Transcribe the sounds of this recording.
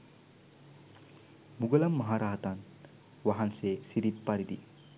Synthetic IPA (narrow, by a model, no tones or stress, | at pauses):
muɡɐlɐmːɐɦaɾaɦt̪an | ʋaɦansesiɾippːaɾid̪ḭ